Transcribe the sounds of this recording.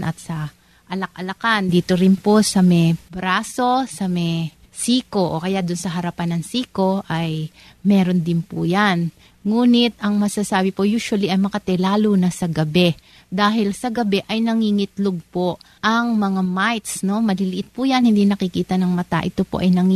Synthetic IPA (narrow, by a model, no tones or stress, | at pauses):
nʔɐt̪sɐ | ʔɐlɐk̚ʔɐlɐkand̪iːt̪o̞ɾɪnpo̞sɐmɛjbɾaːso̞sɐmɛj | siːko̞ʔokɐjaʔd̪ʊnsɐɦɐɾɐpanɐŋsiːko̞ʔɐj | mɛːɾo̞nd̪ɪnpʊjan | ŋuːnɪt̪̚ɐŋmɐsɐsaːbɪpo̞juːʃwɐliʔɐjmɐkɐt̪ɛlaːlunɐsɐɡɐbɛ | d̪aːɦɪlsɐɡɐbɛʔɐjnɐŋiŋɪt̪loɡ̚po̞ʔɐŋmɐŋamajt̪sno̞mɐlɪlɪʔɪt̪̚pʊjɐnhɪnd̪inɐkɪkiːt̪ɐnɐŋmɐt̪a̰ʔɪt̪o̞po̰ʔɐ̰jnɐŋ